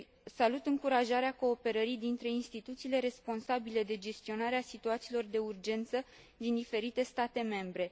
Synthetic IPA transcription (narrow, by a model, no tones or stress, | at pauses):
salut̪ɨŋkuɾaʒaɾeako̞ːpe̞ɾəɾid̪int̪ɾe̞inst̪it̪ut̪siːle̞ɾe̞spo̞nsabile̞d̪e̞d͡ʒe̞st̪io̞naɾeasit̪uat̪siːlo̞rd̪e̞urd͡ʒe̞nt̪sə | d̪ind̪ife̞ɾit̪e̞st̪at̪e̞me̞mbɾe̞